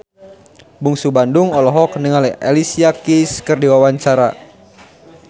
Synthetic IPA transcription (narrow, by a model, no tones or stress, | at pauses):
buŋsubanduŋɔlɔɦɔknəŋalɛʔɛlisiakiskɨrdiwawaɲt͡ʃaɾa̰